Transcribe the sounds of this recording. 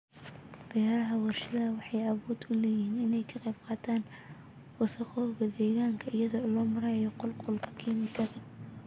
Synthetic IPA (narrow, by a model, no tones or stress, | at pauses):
b̥ɪjaːɾɐɦɐwɑrʃɐðɐwɑħɑjɐβɔːd̪ʰʊlɛːjiːnɪnɛjkʰɐqejb̚qɑːt̪ʰaːn | wɑsɐxɔɣɐd̪ɛːɣaːŋkʰɐʔɪjɐðɔlɔːmɐɾɐjɔqɔlqɔlkʰɐ̥kʰiːmɪkʰɐðɐ